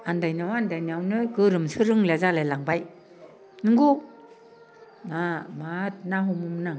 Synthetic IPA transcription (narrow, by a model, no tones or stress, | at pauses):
andajnawandajnawnɯjɡɯɾɯmsɯɾɯŋlazalalaŋbaj | nɯŋɡu | namat̚naɦumumna